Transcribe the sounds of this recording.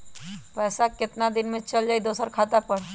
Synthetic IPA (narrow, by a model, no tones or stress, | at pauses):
pɛːsakɪt̪nad̪ɪnmẽt͡ʃɐld͡ʒaːid̪oːsəɾkʰaːt̪apɐɽ